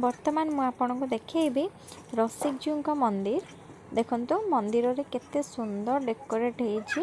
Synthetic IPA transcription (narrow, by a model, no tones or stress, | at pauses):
bɔɾt̪ɔmanɔmũapɔɽ̃ɔŋkud̪ekʰejbi | ɾɔsik̚d͡ʒiuŋkɔmɔnd̪iɾ | d̪ekʰɔnt̪umɔnd̪iɾɔɾeket̪esund̪ɔɾɖekːɔɾeʈɦejt͡ʃʰi